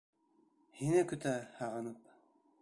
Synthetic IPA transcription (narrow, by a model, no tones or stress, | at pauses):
hinɘkɵ̆t̪æhɑʁɤ̆nɤp̚